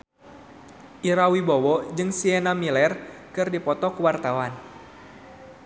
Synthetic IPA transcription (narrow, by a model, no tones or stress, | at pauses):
ʔiɾawibɔwɔd͡ʒɨŋsienamilɛrkɨrdipɔt̪ɔkuwart̪awan